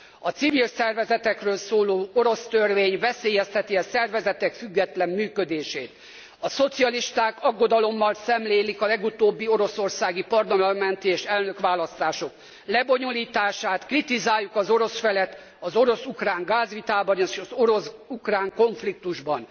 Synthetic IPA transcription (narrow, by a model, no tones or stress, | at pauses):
ɒt̪sivilsɛrvɛzɛt̪ɛkrøːlsoːloːo̞ɾo̞st̪ørveːɲvɛseːjɛst̪ɛt̪iɒsɛrvɛzɛt̪ɛkfyɡːɛt̪lɛmːyːkø̞d̪eːʃḛːt̪ | ɒso̞t̪siɒliʃt̪aːkɒɡːo̞d̪ɒlo̞mːɒlsɛmleːlikɒlɛɡut̪oːbːio̞ɾo̞so̞rsaːɡipɒrlɒmɒmɛnt̪ieːʃɛlnø̞kʋaːlɒst̪aːʃo̞k | lɛbo̞ɲoliːt̪aːʃaːt̪krit̪izaːjːukɒzo̞ɾo̞sfɛlɛt̪ | ɒzo̞ɾo̞sukraːŋɡaːzʋit̪aːbɒneʃɒzoɾo̞sukraːŋko̞ɱflik̚t̪uʒbɒn